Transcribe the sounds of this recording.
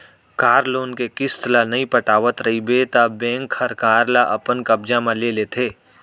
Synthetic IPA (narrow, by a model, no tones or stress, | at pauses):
kaːɾloːnkekɪst̪lanɐɦĩpɐʈaːʋət̪ɾɐɦibet̪abɛ̃ːŋkʰːɐɾkaːɾlaʔɐpənkɐb̚d͡ʒamãleːlet̪ʰeː